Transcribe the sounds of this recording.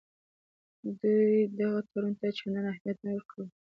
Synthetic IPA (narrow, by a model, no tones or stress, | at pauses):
d̪ujd̪aɣat̪ʰaɾunt̪at͡ʃananahmijat̪̚nawəɾkɽə